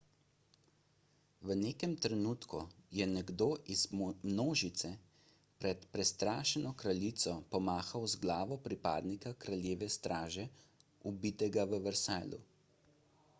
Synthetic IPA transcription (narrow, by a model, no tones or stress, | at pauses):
ʋəneːkɛmt̪ɾɛnuːt̪kṵjɛnɛɡd̪oːʔizmnoːʒit̪sɛ | pɾɛt̪pɾɛst̪ɾaːʃɛnɔkɾalit̪sɔpɔmaːxawzɡlaːʋɔpɾipa̰ːd̪nikakɾaljeːʋɛst̪ɾaːʒɛubit̪ɛɡaʋəʋɛɾsaːlṵ